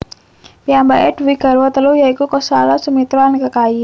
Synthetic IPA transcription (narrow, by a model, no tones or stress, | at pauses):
piambaʔɛdwiɡ̥a̤ɾwat̪əlujaikukɔsalasumit̪ɾɔankakai